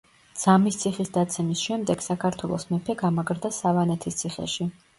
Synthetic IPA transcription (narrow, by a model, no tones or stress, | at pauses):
d̪z̥amist̪sʰiχisd̪at̪sʰɛmisʃɛmd̪ɛɡ̥sakʰaɾt̪ʰwɛlˠɔsmɛpʰɛɡamaɡɾd̪asavanɛt̪ʰist̪sʰiχɛ̰ʃi